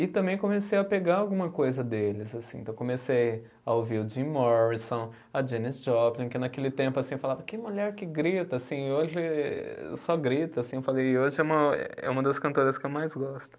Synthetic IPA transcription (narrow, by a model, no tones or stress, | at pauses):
ɪt̪ɐ̃mbẽj̃kõmesejɐpeɡaawɡũmɐkojzɐd̪elɪzasḭ̃t̪ɐ̃w̃kõmesej | ɐoviɾʊd͡ʒĩmɔɾisõ | ɐd͡ʒẽnizd͡ʒɔplĩkɪnakelɪt̪ẽmpʊasĩewfalavɐkɪmuʎɛɾkɪɡɾit̪ɐasĩoʒɪ | sɔɡɾit̪ɐasĩewfalejɪoʒɪɛũmɐɛ̰ɛ̰ũmɐd̪ɐskɐ̃nt̪oɾɐskɪewmajzɡɔst̪ʊ̥